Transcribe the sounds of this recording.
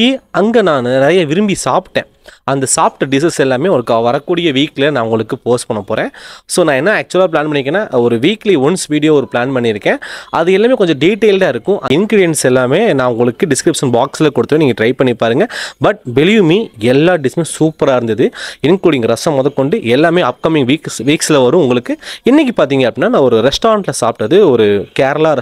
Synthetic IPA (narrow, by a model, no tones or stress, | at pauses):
iɐŋɡɐnãːnnɐɾɐjɐʋɪɾɯmbisaːpʈːẽː | ɐnd̪ɐsaːpʈɖɪs̬ɐsɛlːaːmeːɔɾɯkːaʋɐɾɐkːuːɽɪjɐʋiːklɐnãːʊŋɡɐɭɯkːɯpoːsʈ̚pɐɳːɐpoːɾẽːsoːnãːɛnːɐaːk̚t͡ʃʊɐlaːp̬laːnpɐɳːɪkːẽːnːaːɔɾɯʋiːkliʊnsʋiːɽɪjoːɔɾɯplaːnpɐɳːiɪɾɯkːẽːʔɐðɯɛlːaːmeːkɔɲd͡ʒɔ̃ɖiːʈːeɪlɖaːɪɾɯkːʊ̃ʔɐɪnɡɾɪɽɪjɛnsɛlːaːmeːnãːʊŋɡɐɭɯkːɯɖɪskɾɪpʂɐnbaːksɪlɐkɔɽɯt̪ːʋẽniːŋɡɐʈɾɐɪpɐɳːipaːɾɯŋɡɐbɐʈ̚bɛliʋmiːɛlːaːɖɪsmẽːsuːpːɐɾaːɪɾɯnd̪ɐðɯɪnkuːɽiːŋɡɐɾɐsɐ̃mːɔðɐkːɔɳɖɯʔɛlːaːmeːɐp̚kɐmɪ̃ŋɡʋiːksʋiːkslɐʋɐɾʊ̃ʊŋɡɐɭɯkːɯɪnːɪk̬ːipaːɾt̪iːŋɡɐpːɽɪnːaːnãːɔɾɯɾɛsʈaːɾɐɳʈlɐsa̰ːp̚ʈːɐðɯɔɾɯkaːɾɐlaːɾɐ